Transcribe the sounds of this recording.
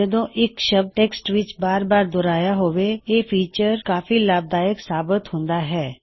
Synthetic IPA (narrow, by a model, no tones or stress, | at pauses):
d͡ʒəd̪õːʔɪkʃəb̚ʈeːksʈʋɪt͡ʃbaːɾbaːɾd̪oːɾaːjaɦoːʋeeːpʰiːt͡ʃəɾkaːfilaːb̚d̪aːjəksaːbɪt̪hʊ̃nd̪aːɦɛː